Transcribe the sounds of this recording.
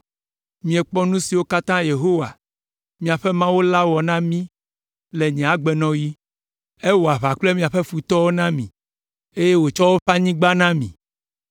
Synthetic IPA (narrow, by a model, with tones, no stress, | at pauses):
mĩ˨ɛ˨k͡pɔ˦nũ˦si˨wo˦ka˦t̪ã˦je˨ɦo˦wa̰˨ | mĩ˨a˨ɸe˦mã˦wo˦la˦wɔ˨nã˦mĩ˦ | le˨ɲɛ̃˨a˨ɡ͡be˨nɔ̃˦ji˦ | e˦wo˨a˨βa˨k͡ple˦mĩ˨a˨ɸe˦fu˨t̪ɔ˦wo˦nã˦mĩ˨ | e˦je˦wo˨t͡ʃɔ˦wo˦ɸa˦ɲĩ˦ɡ͡ba˦nã˦mḭ̃˨